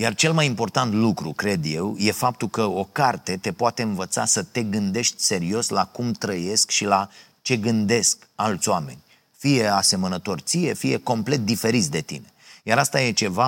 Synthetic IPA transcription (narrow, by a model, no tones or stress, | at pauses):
jart͡ʃe̞lmajimpo̞rt̪ant̪lukɾukɾe̞d̪je̞wje̞fap̚t̪ulkəo̞kart̪e̞t̪e̞poat̪e̞ɨnvət̪sasət̪e̞ɡɨnd̪e̞ʃt̪ʲse̞ɾio̞slakumt̪ɾəje̞skʃila | t͡ʃe̞ɡɨnd̪e̞skalt̪sʲowame̞̰nʲ | fije̞ase̞mənət̪o̞rt̪sije̞fije̞ko̞mple̞t̪̚d̪ife̞ɾit̪sʲd̪e̞t̪ḭne̞̥jaɾast̪aje̞t͡ʃe̞va